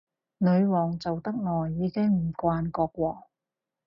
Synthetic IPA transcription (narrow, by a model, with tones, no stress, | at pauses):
nɵ˨˧ɥwɔː˨˩ŋt͡sɐ˨wt̪ɐ˥k̚ŋɔː˨˩jːiː˨˧kɪ˥ŋm̩˨˩kʷaː˧nkɔː˧k̚wɔː˧